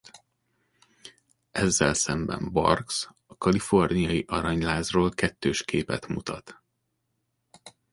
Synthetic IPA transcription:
ʔɛzːɛ̰lsɛmbɛ̰mbɒ̰rks | ɒkɒlifo̞rnijɒjiʔɒɾɒɲlaːzroːlkɛt̪ːøːʃkʰeːpɛ̰t̪mut̪ɒt̪

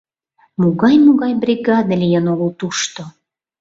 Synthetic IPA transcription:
muɣɑjmuɣɑjbrʲiɡɑd̪əlʲijənoɣəlt̪uʃt̪o

